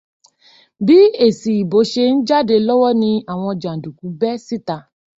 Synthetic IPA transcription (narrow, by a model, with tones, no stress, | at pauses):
bi˨˦e˦˨si˨i˨bo˨˦ʃe˧n̩˦d͡ʒa˦˨de˧lɔ˦wɔ˦nĩ˧a˨w̃ɔ̃˧d͡ʒã˨du˨ku˨˦bɛ˦si˦ta˦˧